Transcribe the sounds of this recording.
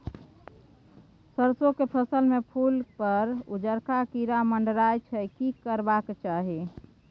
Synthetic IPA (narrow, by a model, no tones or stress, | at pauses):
səɾsokepʰəsəlmepʰulpəɾud͡ʒəɾkakiɾaməɳɖɾajt͡ʃʰɛjkikəɾbaket͡ʃaɦi